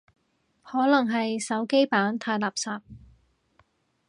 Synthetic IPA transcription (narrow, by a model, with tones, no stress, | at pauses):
hɔː˨˥lɐ˨˩ŋɦɐ˨jsɐ˨˥wke˥jpaː˨˥nt̪ʰaː˧jlaː˨˩p̚saː˨p̚